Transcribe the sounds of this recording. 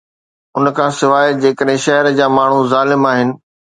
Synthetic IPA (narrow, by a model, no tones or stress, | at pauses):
ʊnkʰãːsɪʋaːed͡ʑeːkəɗɦɪ̃ʃɐɦɪɾəd͡ʑaːmaːɳ̤uzaːlɪmaːɦɪnɪ̆